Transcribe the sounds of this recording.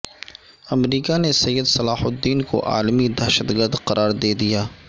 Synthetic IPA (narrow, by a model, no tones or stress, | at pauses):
ɐmɾiːkanesɐjːəd̪sɐlaːhʊd̪ːiːnko̰ʔa̰ːlmid̪ɐːʃət̪ɡəɾd̪qɐɾʔaːɾd̪eːd̪ijaː